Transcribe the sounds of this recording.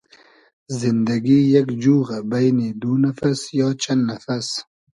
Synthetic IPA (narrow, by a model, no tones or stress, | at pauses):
zɪnd̪ɐɡijɐkd͡ʒuːɣabajnid̪unɐfɐsjaːt͡ʃʰɐnnɐfɐs